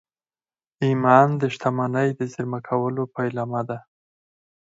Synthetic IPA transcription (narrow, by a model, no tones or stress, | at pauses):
imɑnd̪əʃt̪ʰamanəjd̪əzɪɾmakʰawəlopajlɑmad̪a